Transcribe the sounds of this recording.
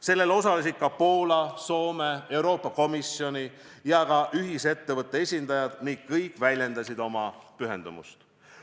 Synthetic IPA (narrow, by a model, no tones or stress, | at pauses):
se̞lːe̞lo̞sɑles̬ʲid̪̥kɑpo̞ːlɑso̞ːme̞e̞wɾo̞ːpːˑɑko̞misjo̞nʲi | jɑkɑʔyɦise̞t̪ːe̞vɤt̪ːˑeesʲind̪̥ɑjɑd̪̥niŋɡ̥kːɤjkːˑvælʲje̞nd̪̥ɑsʲid̪̥o̞mɑpyɦe̞nd̪̥umṵst̪